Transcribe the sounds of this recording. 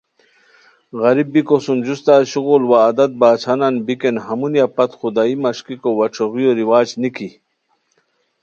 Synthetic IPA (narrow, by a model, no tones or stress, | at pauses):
ɣɐɾibːikosund͡ʑust̪aːɕuɣulwaːd̪ɐt̪̚baːt͡ɕʰananbikenɦɐmunjapɐt̪χud̪aːimɐʂkikowɐʈ͡ʂʰoɣijoɾiwaːd͡ʑnikʰi